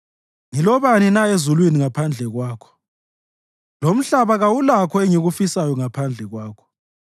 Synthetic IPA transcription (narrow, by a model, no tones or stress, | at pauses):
ŋilɔβaninaezulwiniŋapʰand͡ɮʱɛɣwaːkʰɔ̥ | lom̩ɬaβaɣawulakʰɔɛŋiɣufisajɔŋapʰand͡ɮʱɛɣwaːkʰɔ̥